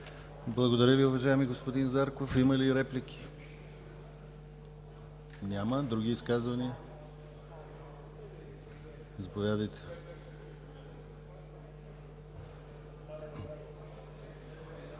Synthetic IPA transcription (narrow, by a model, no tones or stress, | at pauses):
blˠɐɡod̪ɐɾʲəviʊvɐʒaɛmiɡospod̪inzaɾkofiməliːɾɛplikʲʰi̥ | nʲaməd̪ɾuɡ̟iːskazvɐniə | zɐpovʲjad̪əjt̪ɛ̥